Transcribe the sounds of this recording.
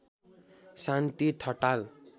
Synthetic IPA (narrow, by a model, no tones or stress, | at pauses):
sant̪it̪ʰʌʈal